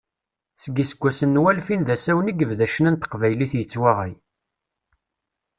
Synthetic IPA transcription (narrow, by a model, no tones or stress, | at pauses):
səɡisəɡʷːæsənːwælfinðæsæwniɡəvðæʃənænt̪ə̥qvæjliθjət͡sːwaʁij